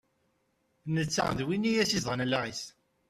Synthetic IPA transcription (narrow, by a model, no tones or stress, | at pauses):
nət͡sːæ̰ðwinijæsizˤʁənlːæʁis